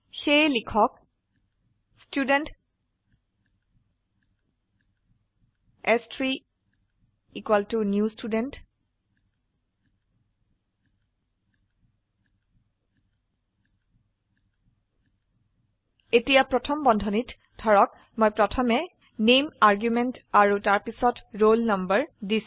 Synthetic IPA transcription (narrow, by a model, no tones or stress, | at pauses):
xejlikʰɔk̚ | studɛnt | ɛstʰɹi | ikwaltunjustudɛnt | etijapɹɔtʰɔmbɔndʱɔnit | dʰʱɔɹɔk | mojpɹɔtʰɔmɛ | nemaɹɡjumɛntaɹutaɹpisɔtɹolnʌmbəɹdis